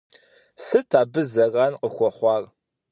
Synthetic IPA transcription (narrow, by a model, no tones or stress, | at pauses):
sɨtʰaːbɨzɐraːnqəxʷɔχʷɑːr